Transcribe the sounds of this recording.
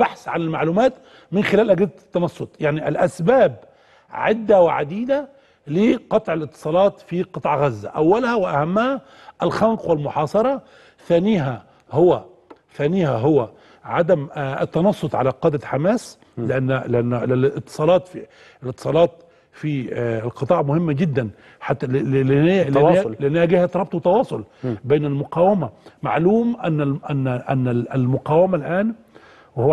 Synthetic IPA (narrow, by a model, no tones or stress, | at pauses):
baħsʕanɪlmaʕluːmaːt̪ | mɪnxɪlæːlʔaɡad̪t̪ːɑnɑsˤːʊt̪ˤjaʕniʔɪlʔasbaːb | ʕɪd̪ːawɪʕa̰d̪iːd̪a | lɪqɑt̪ˤʕɪlɪt̪ːɨ̥sˤɑːlɑːt̪fiqɨt̪ˤʕɣazːæ̰ʔawːalhæwɪʔahamːha | ʔɪlxanqwɪlmʊħɑːsˤɑɾˤɑ | θæːnɪːɦæ | hʊwæ | θæːnɪjhaɦʊwæ | ʕad̪amɪ̰t̪ːɑnɑsˤːot̪ˤʕalæqɑːd̪æħamæːs | lɪʔanːlʔænːlɪt̪ːɨ̥sˤɑːlɑːt̪fi | ɪlɪt̪ːɨ̥sˤɑːlɑːt̪ | fiɪlqɨt̪ˤɑːʕmʊhɪmːæɡɪd̪ːæn | ħat̪ː | lʔænːæhæɡɪhæt̪ɾˤɑb̚t̪ˤwt̪ːɑwɑːsˤolbeːnælmʊqɑːwɪmæma̰ʕluːmʔænːʔænːʔænːælmʊqɑːwɪmælʔæːn | w